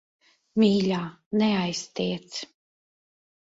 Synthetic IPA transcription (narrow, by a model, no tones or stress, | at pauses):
mʲiːlʲaːnɛajst̪iːt̪s